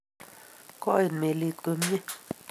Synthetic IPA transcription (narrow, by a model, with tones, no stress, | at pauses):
kɔ˦i˨nme˨li˨ku˨˦m˦je˦